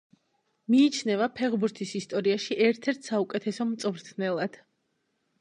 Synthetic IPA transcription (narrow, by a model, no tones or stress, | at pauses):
miːt͡ʃʰnɛvapʰɛʁbuɾt̪ʰisist̪ʼɔɾiaʃiʔɛɾt̪ʰɛɾt̪ʰsaukʼɛt̪ʰɛsɔmt̪sʼvɾt̪ʰnɛlˠad̪̥